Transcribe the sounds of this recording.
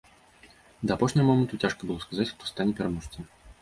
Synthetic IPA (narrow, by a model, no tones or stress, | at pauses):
d̪ɐːpɔʂnʲɛɣɐmɔmənt̪ut͡sʲaʂkɐbɨlˠɔskazat͡sʲxt̪ɔ̥st̪anʲɛpʲɛɾamɔʂt̪ʲɐ